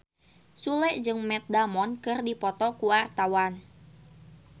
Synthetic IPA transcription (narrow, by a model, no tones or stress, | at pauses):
sulɛʔd͡ʒɨŋmɛt̪̚damɔnkɨrdipɔt̪ɔkuwart̪awan